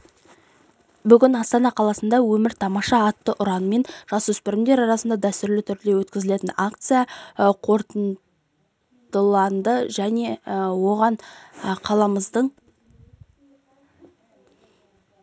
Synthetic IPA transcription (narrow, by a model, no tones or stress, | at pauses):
bʏɡʲɪnɑst̪ɑnɑqʰɑlˠɑsənd̪ɑwɵmɪɾt̪ʰɑmɑʃɑːt̪ːəʔʊɾɑnəme̞nʒ̥ɑswɵspɪɾɪmd̪e̞ɾɑɾɑsənd̪ɑd̪æst̪ʏɾlɪt̪ʰʏɾd̪e̞wɵt̪kʲɪzɪle̞t̪ɪnakt̪sɨjɑqʰo̞ɾt̪ən | d̪̥əlˠɑnd̪əʒæne̞wo̞ʁɑɴqʰɑlˠɑməzd̪əɴ